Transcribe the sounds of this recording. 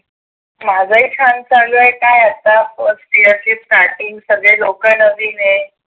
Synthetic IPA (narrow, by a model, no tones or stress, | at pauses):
mad͡zʱaikʰansãŋɡəjkajat̪afəspiət͡ɕiːsʈaɾʈiŋɡsəɡɭelokənəʋiːne